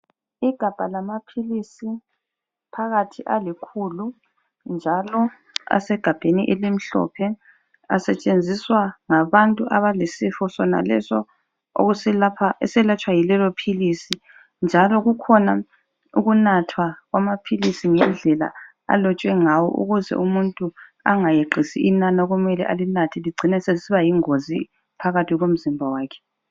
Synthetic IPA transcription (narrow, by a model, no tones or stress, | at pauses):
iɡ̥ʱab̥ʱalamapʰilisi | pʰaɣatʰiʔalikʰulu | nd͡ʒʱalɔ | a̰sɛɡ̥ʱab̥ʱeniʔelim̩ɬɔ̰pʰɛ | a̰sɛt͡ʃʼend͡zʱiswaŋaβantʼuʔaβalisifɔsɔna̰lɛ̰sɔ | o̰ɣapʰaɛsɛlat͡ʃʼwajilɛlɔpʰilisi | nd͡ʒʱalɔɣukʰɔna | uɣunatʰwaɣwamapʰilisiŋɛnd͡ɮʱɛla̰ | a̰lɔt͡ʃʼwɛŋawɔ̰ʔṵɣuzɛ̰ʔumuntʼua̰ŋajeǃʱisḭʔinanaoɣumɛlɛʔalinatʰiliɡ͡ǀʱinɛsesiβajiŋozi | pʰaɣatʰiɣom̩zimbʱawaːkʰɛ̥